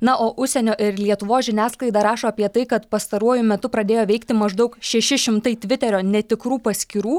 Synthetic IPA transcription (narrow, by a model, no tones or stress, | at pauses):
nɐʔoːʔʊʃʲsʲɛnʲoːʔɪɾlʲiɛt̪ʊʋoːsʒʲɪnʲæːsklˠɐɪd̪ɐɾɑːʃoːɐpʲiɛt̪ɐɪkɐt̪pɐst̪ɐɾuɔjʊmʲɛt̪ʊpɾɐd̪ʲeːjoːʋʲɛɪkt̪ʲɪmɐʒd̪ɐʊkʃʲɛʃʲɪʃʲɪmt̪ɐɪt̪ʲʋʲɪt̪ʲɛɾʲoːnʲɛt̪ʲɪkɾuːpɐsʲkʲɪɾuː